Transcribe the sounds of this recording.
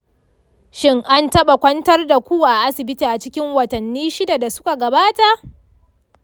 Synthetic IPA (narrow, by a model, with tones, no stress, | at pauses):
ʃɪ˦ŋʔa˦ntɐ˦ɓa˨kʷɐ˦ntɐ˦rda˨kʷuː˦ʔa˨ʔa˦sɪ˨bɪ˦tiː˨ʔa˨t͡ʃɪ˦kʲɪ˦ŋwɐ˨tɐ˨nːiː˦ʃɪ˦da˨da˨sʊ̥˦ka˨ɡɐ˨baː˦ta˨ʔ